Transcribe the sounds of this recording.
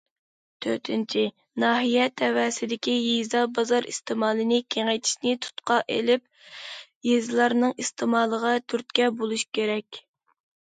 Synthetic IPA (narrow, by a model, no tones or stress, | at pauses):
t̪ʰøɾt̪ʰɪnt͡ʃʰi | nɑːɦijɛt̪ʰɛwɛːsɪd̪ɪkʲijizɑbɑzɑɾḭst̪ɪmɑːlˠɨnɪkʲʰeŋɛjt̪ʰɪ̥ʃnɪt̪ʰu̥t̪qɑʔḛlɪp̚ | jezlˠɑɾnɨŋist̪ʰɪmɑːlˠəʁɑt̪ʰyɾt̪̚kʲɛbolˠuʃkʲeɾɛkʲ